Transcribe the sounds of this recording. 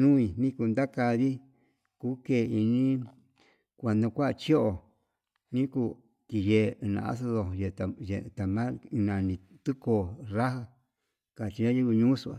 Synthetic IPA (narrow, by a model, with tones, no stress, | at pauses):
nũ˦ĩ˧nĩ˦ku˧nd̪a˦ka˧ði˦ | kuː˦ke˧˨˧i˧nĩ˦ | kʷa˨nõ˧kʷa˦˧t͡ʃi˦o˦ʔo˨ | nĩ˦ku˧ | t̪i˧ʒe˧˨˧nã̰˧a̰˦s̬o˧ðo˧je˧a˨ʒe˧˨˧t̪a˨mã˦˧nã˨˧nĩ˧ | t̪u˦ko˧˨ra˦ha˧ | ka˨t͡ʃi˧ɲã˦ji˦ku˧ɲũ˦su˧a̰˨